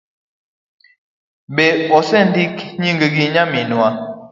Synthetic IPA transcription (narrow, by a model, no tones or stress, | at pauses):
bɛɔsɛndikɲiŋɡəɡiɲaminwa